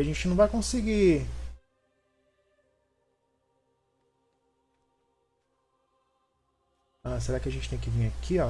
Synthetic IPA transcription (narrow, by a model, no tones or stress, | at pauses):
aʒẽt͡ʃɪnɐ̃w̃vajkõsɪɡi | as̬eɾakɪɐʒẽt͡ʃɪ̥t̪ẽj̃kɪivĩj̃akʰiɔ